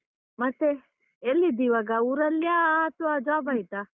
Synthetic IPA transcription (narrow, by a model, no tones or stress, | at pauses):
mɐt̪ːe | elːid̪iʋaɡauɾɐljat̪uad͡ʒaːbait̪a